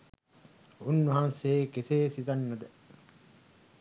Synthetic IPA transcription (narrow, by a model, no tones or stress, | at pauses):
unːuɦanseːkeseːsizɐnːɐd̪ɛ